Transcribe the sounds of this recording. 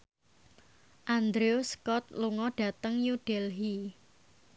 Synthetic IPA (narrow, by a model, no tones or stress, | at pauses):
ʔand̪ɾeoskɔt̪̚luŋɔɖ̥ä̤t̪əŋjud̥elɦi